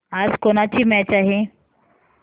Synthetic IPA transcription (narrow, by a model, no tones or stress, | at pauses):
ad͡zkoɽ̃at͡ɕiːmɛt͡ɕaɦe